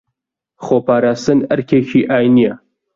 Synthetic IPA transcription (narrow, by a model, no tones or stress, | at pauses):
xoːpaːɾaːst̪ɨnɐɾkʲʰeːʃʰiːʔaːjnija